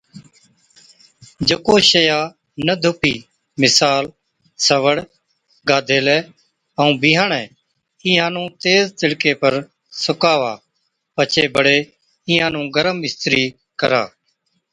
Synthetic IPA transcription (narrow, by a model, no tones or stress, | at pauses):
d͡ʒəkoːʃəjaː | nəd̪ʱʊpiː | mɪsaːl | səʋəɽ | ɡaːd̪ʱeːlɛː | əũːbiːɦaːɳɛ̃ː | ɪːɦãːnũːt̪eːzt̪ɪɽkeːpəɾ | sʊkaːʋa̰ː | pət͡ʃʰeːbəɽeː | ɪːãːnũːɡəɾəmbɪst̪ɾiː | kə̰ɾa̰ː